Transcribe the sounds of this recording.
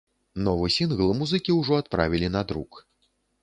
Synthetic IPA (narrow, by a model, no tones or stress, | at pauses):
nɔvɨsʲinɣlˠɨmuzɨkʲiwʐɔat̪̚pɾa̰vʲilʲinɐd̪ɾṵk